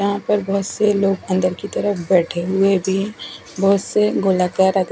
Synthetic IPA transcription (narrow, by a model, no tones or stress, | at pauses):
ɐɦãpəɾbɐɦʊt̪seloːɡə̃nd̪əɾkit̪ɐɾəfbɛːʈʰeɦʊebʱi | bəɦʊt̪seɡoːlakaɾad̪